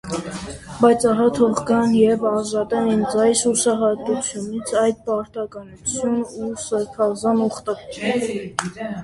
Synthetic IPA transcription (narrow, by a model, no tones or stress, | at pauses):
bɑjt͡sʰɑɦɑt̪ʰɔʁɡɑnjɛvɑʒɑt̪ɛnɛnd͡zɑjsusɑɦɑt̪ut͡sʰjunit͡sʰɑjd̪̚pɑɾt̪ɑkɑnut͡sʰjunusəɾpʰɑzɑnuχt̪ɑkɛ